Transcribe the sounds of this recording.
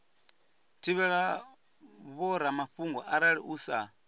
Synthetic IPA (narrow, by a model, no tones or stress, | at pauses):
tʰiβɛɺa | βɔɾamaɸuŋɡɔʔaɾaɺiʔuːsa